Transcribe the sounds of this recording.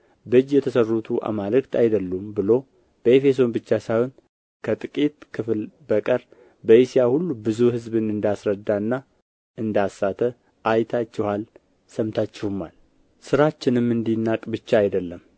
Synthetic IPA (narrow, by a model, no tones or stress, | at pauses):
bɨd͡ʒjɛt̪ʰəsərːut̪ʰuʔa̰malɨkt̪ʰajd̪əlːumbɨlo̞ | b̥əe̞fe̞s̬o̞nbɨt͡ʃːasawon | kʰət̪ʼɨkʼit̪kʰɨflbəkʼəɾ | bəisijahulːubɨzuhɨzbɨnɨnd̪asɾəd̪ːaɨnːa | ɨnd̪asːat̪ʰə | ʔajt̪ʰat͡ʃːɛhal | səmt̪ʰat͡ʃːɛhumal | sɨɾat͡ʃːɪnɨmːɨnd̪inːakʼbɨt͡ʃːaːjd̪əlːəm